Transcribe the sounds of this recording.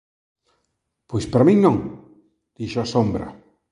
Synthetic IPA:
pojspɾamĩŋnõŋ | d̪̥iʃasombɾɐ̰

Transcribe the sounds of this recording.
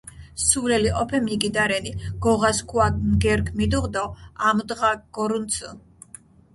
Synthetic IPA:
suvlɛliqʼɔpʰɛmiɡid̪aɾɛniɡ̥ɔʁaskʰwanɡɛɾkʰmid̪uʁd̪ɔamd̪ʁaɡ̥ɔɾunt̪sʰə

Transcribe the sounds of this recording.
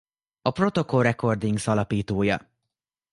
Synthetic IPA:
ɒpro̞t̪o̞ko̞lrɛko̞rd̪iŋɡsɒlɒpiːt̪oːjɒ̰

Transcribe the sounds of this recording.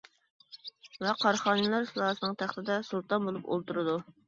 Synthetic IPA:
vɛqʰɑɾχɑːnɨlˠɑɾslˠɑːsɨnɨŋt̪ʰæχt̪ɪd̪ɛsulˠt̪ɑnbolˠupo̰lˠt̪uɾɨd̪u

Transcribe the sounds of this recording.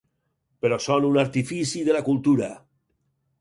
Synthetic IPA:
peɾɔsonunaɾt̪ifisiðelakulˠt̪uɾa

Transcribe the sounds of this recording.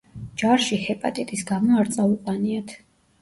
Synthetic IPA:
d͡ʒaɾʃihɛpʼa̰t̪ʼɛt̪ʼisɡamɔaɾt̪sʼauqʼwaniat̪ʰ

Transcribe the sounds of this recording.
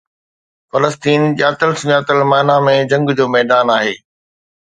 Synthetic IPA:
fɐləst̪iːnɗjaːt̪əlsɲaːt̪əlmaːɪnamẽd͡ʑɐ̃ŋɡd͡ʑoːmɛɦd̪aːnaːɦeː

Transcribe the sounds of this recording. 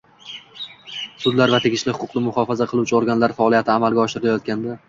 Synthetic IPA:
sʊd̪laɾvat̪ʰeɡʲɪʃlɪhʊqʰʊ̥qnɪmʊχɒfazaqʰɨlˠuwt͡ʃʰɪoɾɡʲanlaɾfaɒːlijat̪ʰɪamalˠɡʲaɒʃɪɾɪlajɒt̪̚kʲand̪a

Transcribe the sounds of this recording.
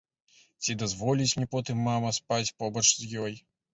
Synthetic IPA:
t͡sʲid̪azvɔlʲit͡sʲmnʲɛpɔt̪ɨmːamɐspat͡sʲpɔbɐt͡ʂzjɔj

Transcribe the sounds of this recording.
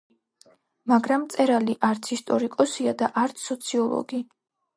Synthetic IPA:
maɡɾamːt̪sʼɛɾaliʔaɾt̪sʰist̪ʼɔɾikʼɔsiad̪aʔaɾt̪sʰːɔt̪sʰiɔlˠɔ̰ɡi

